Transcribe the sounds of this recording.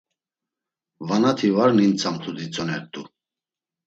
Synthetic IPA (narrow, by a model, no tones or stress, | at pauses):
vanat̪ʰivaɾnint͡sʰamt̪ʰud̪it͡sʼɔnɛɾt̪ʼu